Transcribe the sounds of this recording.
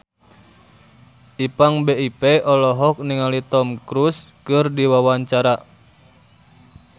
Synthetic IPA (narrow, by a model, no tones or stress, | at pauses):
ʔipaŋbeipeʔɔlɔɦɔk̚niŋalit̪ɔmkɾuskɨrdiwawaɲt͡ʃaɾa